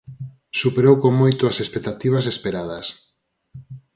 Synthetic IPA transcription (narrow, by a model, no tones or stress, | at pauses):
supeɾowkoŋmojt̪oɐsespek̚t̪at̪iβ̞as̬espeɾað̞ɐs